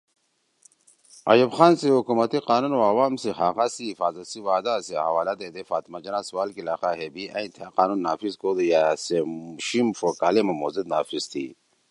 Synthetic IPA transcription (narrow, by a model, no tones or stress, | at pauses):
a̰jubxaːnsiɦukumat̪iqaːnunoawaːmsiɦaːɣasifaːzɐt̪siwaːd̪aseɦawaːlad̪ed̪efaːt̪mad͡ʒɐnaswaːlkilaːxaɦebiaĩt̪ʰaqaːnunːaːfizkod̪ujaseɕimfokaːlemɐmozid̪naːfizt̪ʰḭ